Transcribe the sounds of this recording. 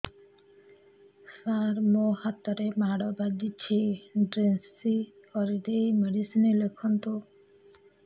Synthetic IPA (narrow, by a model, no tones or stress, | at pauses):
saɾmohat̪ːaɾemaɽɔbad͡ʒit͡ɕʰeɖɾensi | ɔɾid̪ejmeɖisinelekʰːɔnt̪o